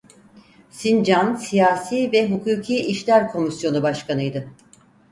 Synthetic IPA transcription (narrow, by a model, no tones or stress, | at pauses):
sind͡ʒansijaːsiːvɛɦukʰuːcʰiːiʃlʲæɾkʰo̞misjo̞nubaʃkʰanɯjd̪ɯ